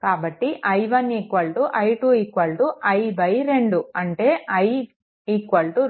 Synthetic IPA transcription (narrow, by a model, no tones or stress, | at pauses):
kaːbɐʈːiʔɐjʋɐniːkʋɐlʈuʔɐjʈuikʋɐlʈuʔɐjbɐjɾe̞ɳɖuɐɳʈeːɐj | iːkʋɐlʈu